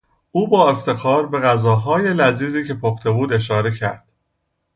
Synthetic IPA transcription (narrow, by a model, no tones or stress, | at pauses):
ʔuːbɒːe̞ft̪ʰe̞xɒːɾbe̞ɣæzɒːɦɒːje̞læziːziːcʰe̞pʰoxt̪ʰe̞buːd̪e̞ʃ̬ɒːɾe̞cʰæɾd̪̥